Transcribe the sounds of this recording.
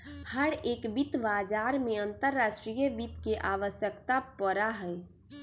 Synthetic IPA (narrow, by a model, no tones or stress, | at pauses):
həɾeːkbit̪baːd͡ʒaːɾmẽənt̪əɾːaːʃʈɾijəbit̪keʔaːʋəsjəkt̪apəɾaɦɛ